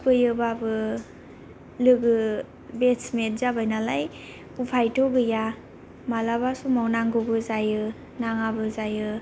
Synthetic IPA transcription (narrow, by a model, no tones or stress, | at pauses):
pɯjɯbabɯ | lɯɡɯ | besmet̚zabajnalaj | pupʰajtʰoɡɯja | malabasumawnaŋɡobɯzajɯ | naŋabɯzajɯ